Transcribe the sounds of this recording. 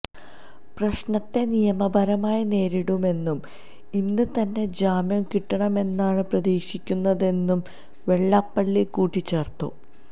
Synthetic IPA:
prɐɕnɐt̪ːe̞nijɐmɐbʱɐɾɐmaːjine̞ːɾiɽume̞nːum | inːɨt̪ɐnːe̞d͡ʑaːmjɐmkiʈːɐɳɐme̞nːaːɳɨprɐðiːɕikʲːunːɐðe̞nːum | ʋe̞ɭːɐpːɐɭːikuːʈːit͡ɕːe̞ːrt̪ːṵ

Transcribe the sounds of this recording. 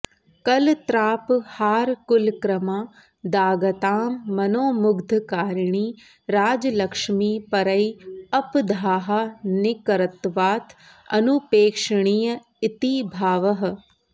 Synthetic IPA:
kɐlt̪ɾaːphaːɾkʊlkɾɐmaː | d̪aːɡɐt̪aːmːɐnoːmʊɡd̪ʱkaːɾɳ̃iː | ɾaːd͡ʒɐlɐkʂmiːpɐɾɐiɐpd̪ʱaːɦanɪkɐɾɐt̪ʋaːt̪ʰ | ɐ̰nupeːkʂɐɳ̃iːjɐ | ɪt̪ibʱaːʋɐɦɐ̆

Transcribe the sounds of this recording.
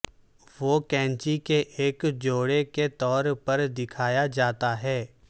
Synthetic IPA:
ʋoːkɛ̃ːnt͡ʃikeʔeːkd͡ʒoːɽeket̪ɔːɾpɐɾd̪ɪkʰaːjad͡ʒaːt̪aɦɛː

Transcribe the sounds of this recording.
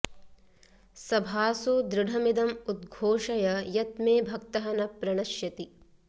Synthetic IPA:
sɐbʱaːsud̪ɾɪɽʱɐmid̪ɐmud̪̚ɡʱoːʃɐjɐjɐt̪̚meːbʱɐkt̪ɐɦɐnɐpɾɐɳ̃ɐʃjɐt̪i

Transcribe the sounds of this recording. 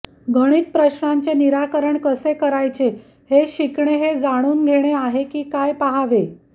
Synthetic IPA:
ɡʱəɽ̃iːt̪̚pɾəɕnaɲt͡seniɾakəɾəɳkəsekəɾajt͡se | heɕikɳeɦed͡zaɽ̃uːnɡʱeɽ̃eaɦekiːkajpaɦaʋe

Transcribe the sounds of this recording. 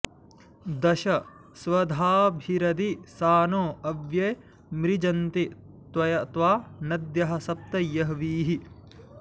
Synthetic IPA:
d̪ɐʃɐ | sʋɐd̪ʱaːbʱiɾɐd̪isaːnoːɐʋjɐ | mɾid͡ʒɐnt̪i | t̪ʋɐjɐt̪ʋaːnɐd̪jɐɦɐ̆sɐp̚t̪ɐjɐɦʋiːɦi

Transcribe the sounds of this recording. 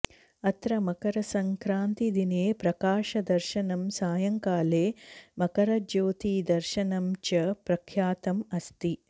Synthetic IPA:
ɐt̪ɾɐmɐkɐɾɐsɐŋkɾaːnt̪id̪ineːpɾɐkaːʃɐd̪ɐɾʃɐnɐmsaːjɐŋkaːleːmɐkɐɾɐd͡ʒoːt̪iːd̪ɐɾʃɐnɐmt͡ʃɐpɾɐkʰjaːt̪ɐmɐst̪i

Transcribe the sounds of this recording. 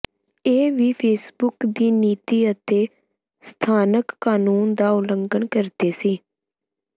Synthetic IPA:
eːʋiːpʰeːsbʊkd̪iːniːt̪iːət̪eː | st̪ʰaːnəkːaːnuːnd̪aːʊləŋɡəɳkəɾd̪eːsiː

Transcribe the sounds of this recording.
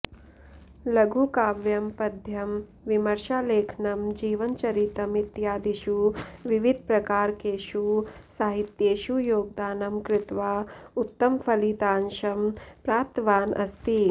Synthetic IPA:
lɐɡʱukaːʋjɐmpɐd̪ʱjɐm | ʋimɐɾʃaːleːkʰnɐmd͡ʒiːʋɐnt͡ʃɐɾit̪ɐmit̪jaːd̪iʃuʋiʋid̪̚ʱpɾɐkaːɾkeːʃusaːɦit̪jeːʃujoːɡ̚d̪aːnɐmkɾɪt̪ʋaːut̪ːɐmpʰɐlit̪aːnʃɐmpɾaːp̚t̪ʋaːnʔɐ̰st̪i

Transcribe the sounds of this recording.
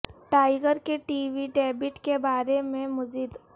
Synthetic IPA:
ʈaːɪɡəɾkeʈiːʋiɖɛːbɪʈkebaːɾemẽmʊziːd̪

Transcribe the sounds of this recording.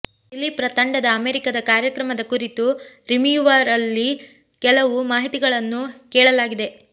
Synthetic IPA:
ilːipɾɐt̪ɐɳɖɐd̪ɐːmeːɾikɐd̪ɐkaːɾjɐkɾɐmɐd̪ɐkuɾit̪uɾimjuʋaːɾɐlːi | kɛlɐʋumaːɦit̪iɡɐɭɐnːukɛːɭɐlaːɡid̪e̞

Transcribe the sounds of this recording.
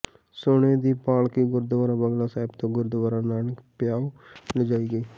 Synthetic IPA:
soːneːd̪iːpaːlkiːɡʊɾd̪əʋaːɾãːbəɡlaːsaːɪbt̪õːɡʊɾd̪ʋaːɾãːnaːnəkpɪjaːoləd͡ʒaːiːɡəiː

